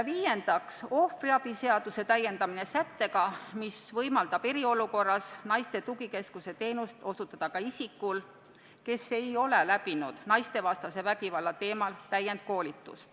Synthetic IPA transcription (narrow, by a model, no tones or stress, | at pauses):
viːje̞nd̪̥ɑkso̞friɑb̥ise̞ɑd̪̥use̞t̪æjːe̞nd̪̥ɑmine̞sæt̪ːe̞kɑmisvɤjmɑld̪̥ɑb̥e̞ɾio̞luko̞rːɑsnɑjst̪e̞t̪uɡike̞skuse̞t̪e̞ːnust̪o̞sut̪ːˑɑd̪̥ɑkɑisikːˑul | ke̞se̞jo̞le̞læbinud̪̥nɑjst̪e̞vɑst̪ɑse̞væɡ̥ivɑlːɑt̪e̞ːmɑlt̪æjːe̞nd̪̥̚ko̞ːlʲit̪ːˑṵst̪